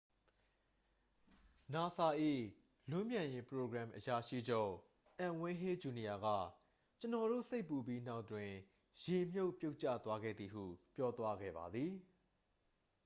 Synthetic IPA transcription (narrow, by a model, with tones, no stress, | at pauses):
na˨sa˨ʔḭ˦˨ | lʊ̃˦mjã˨jɪ̃˦pəɹo˨ɡɹã˨mʔə˨ja˨ʃḭ˦˨d͡ʑo˦˨ | ʔã˨wɪ̃˦ɦe˦d͡ʑu˨ni˨ja˨ɡa̰˦˨ | t͡ɕənɔ˨ɾo̰˦˨se˦ɪpːu˨pi˦na˦ʊtwɪ̃˨ | je˨mjo˦ʊʔpjo˦ʊʔt͡ɕä̰˦˨t̪wa˦ɡɛ̰˦˨d̪ði˨ɦṵ˦˨pjɔ˦t̪wa˦ɡɛ̰˦˨ba˨d̪ði˨